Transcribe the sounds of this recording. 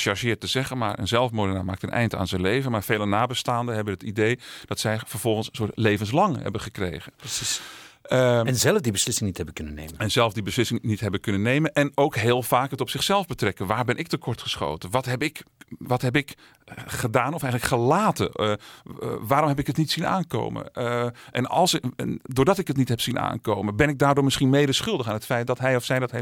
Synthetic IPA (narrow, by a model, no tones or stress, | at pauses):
ʃɑɹʒɪːɹtəzɛχənma̰ːɹʔə̰nzɛlˠfmʊdənaːmaːk̚tənʔɛ̰jnta̰ːnzənlejvənmaːɹv̥eːlənaːbəstaːndəɦɛbənɦətidejd̥ɑtsɛjfəɹv̥ɔlˠχənsəsʊːtlejvəns̬lɑŋɦɛ̰bəχəkrḛjɣənsis | ɛnzɛlˠfdibəslɪsɪŋnithɛbəkɵnənḛːməɛnzɛlˠvdibəslɪsɪŋnitɦɛbəkɵnənːejmənʔɛnowkɦeːlˠv̥aːkɦətɔpsɪχsɛlˠvbətrɛkənʋaːɹbɛnʔɪk̚təkʰɔɹtχəsχo̰ːtənʋɑtɦɛpɪkʋɑtɦɛpɪk | χədaːnɔfɛjələkχəlaːtə̰n | ʋaːɾɔmɦɛpɪkɦətnitsina̰ːnko̰wmə̰nʔɛnɑ̰lˠsɛndʊːɹdɑtɪkətnitɦɛpsina̰ːnkoːwmənbɛnɪɡ̚daːrdʊːɹmɪsχinmejdəɹsχɵlˠdəχaːnətfɛjt̚dɔtɦɛjɔfsɛjdɔtɦef